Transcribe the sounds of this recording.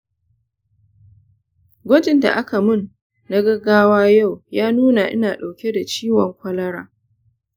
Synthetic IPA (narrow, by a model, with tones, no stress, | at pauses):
ɡʷɔ˦d͡ʒɪ˨nda̰˨ʔa˦ka˨mʊ˦˨nː | a˦ɡɐ˦ɡːaː˦waː˦ja˦˨wjaː˦nuː˦na˨ʔɪ̰˦naː˨ɗa˨wkʲe˦da˨t͡ʃiː˦wɔ˨ŋkʷɐ˦lɐ˦ɽa̰ː˦